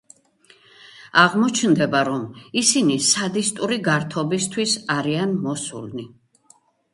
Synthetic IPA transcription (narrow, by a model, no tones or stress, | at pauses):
aʁmɔt͡ʃʰnd̪ɛbaɾɔmisinisad̪ist̪ʼuɾiɡaɾt̪ʰɔbist̪ʰwisaɾianmɔsṵlni